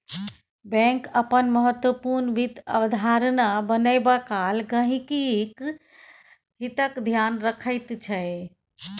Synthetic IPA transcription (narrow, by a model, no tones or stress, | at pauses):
bɛ̃ŋkəpənməɦət̪wəpuɾnʋid̪ə̰ʋd̪ʱaɾnabənəɪbakalɡə̃ɦĩkik | ɦit̪əkd̪ʱjanɾəkʰəɪt̪t͡ʃʰəj